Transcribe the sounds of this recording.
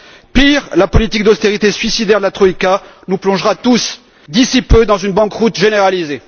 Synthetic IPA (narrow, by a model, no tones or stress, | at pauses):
piʁlapɔlit̪ik̚d̪ɔst̪eʁit̪esɥisid̪ɛʁd̪əlat̪χɔikanuplɔ̃ʒʁat̪us | d̪isipød̪ɑ̃zynbɑ̃kʁut̪ʒeneʁalize